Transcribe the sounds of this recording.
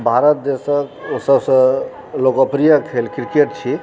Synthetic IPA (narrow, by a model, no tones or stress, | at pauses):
bʱaɾət̪̚d̪esəksəbsə̃ | lokəpɾijəkʰelkɾkeʈt͡ʃʰi